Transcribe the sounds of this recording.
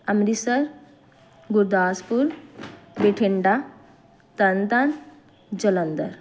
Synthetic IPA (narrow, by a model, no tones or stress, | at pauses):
ɐmɾisɐɾ | ɡuɾd̪aːspuɾbeʈʰeɳɖa | t̪ɐnt̪an | d͡ʒɐlɐnd̪ɐ̰ɾ